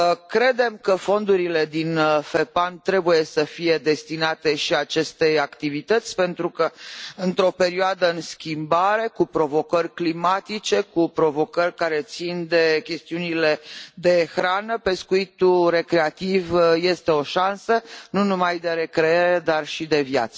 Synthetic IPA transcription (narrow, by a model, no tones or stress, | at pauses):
kɾe̞d̪e̞mkəfo̞nd̪uɾile̞d̪infe̞pant̪ɾe̞buje̞səfije̞d̪e̞st̪inat̪e̞ʃiat͡ʃe̞st̪e̞jakt̪ivit̪ət̪sʲpe̞nt̪ɾukəɨnt̪ɾo̞pe̞ɾioad̪əɨnskʲimbaɾe̞kupɾo̞vo̞kərʲklimat̪it͡ʃe̞kupɾo̞vo̞kərʲkaɾe̞t̪sind̪e̞kʲe̞st̪iunile̞d̪e̞xɾanəpe̞skuit̪ure̞kɾe̞at̪ivje̞st̪e̞o̞ʃansənunumajd̪e̞ɾe̞kɾeeɾe̞d̪arʃid̪e̞vja̰t̪sə